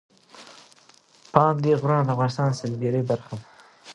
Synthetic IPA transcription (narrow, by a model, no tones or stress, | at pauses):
pɑnd̪eɣɾɑnd̪afɣɑnɪst̪ɑnsɪlɡeɾebaɾxa